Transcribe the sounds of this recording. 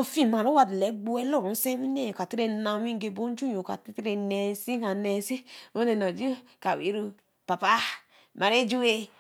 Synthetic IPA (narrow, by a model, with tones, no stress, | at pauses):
o˦˨fi˦m˨a˨ɾo˦wa˦˨dle˨˦ɡ͡bu˦e˦lo˦˨ɾu˨n̩˦se˦mi˦ne˦˨o˨ka˨ti˦ɾe˦na˨wi˦ŋ˦ɡe˨bo˦n˦d͡ʒu˦jo˨ka̰˨ti˦tɾe˨ne˨˦si˦ka˨ne˨˦si˦o˦ne˨no˨d͡ʒi˦ | ka˨wḭ˨˦ɾu˧ | pa˨pa˦ | ma˨ɾe˦d͡ʒu˦e˨